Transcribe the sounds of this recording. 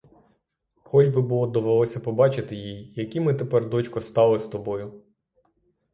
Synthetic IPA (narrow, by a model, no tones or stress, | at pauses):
xɔd͡ʒbɪbulˠɔd̪ɔʋelˠɔsʲɐpɔbɑt͡ʃɪt̪ɪjijjɐkʲimɪt̪epɛrd̪ɔt͡ʃkɔst̪ɑlˠɪst̪ɔbɔjʊ